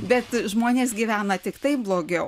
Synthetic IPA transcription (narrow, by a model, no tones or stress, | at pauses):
bʲɛt̪ʒmoːnʲeːsɡʲiːʋʲæːnɐt̪ʲɪkt̪ɐɪblˠoːɡʲɛʊ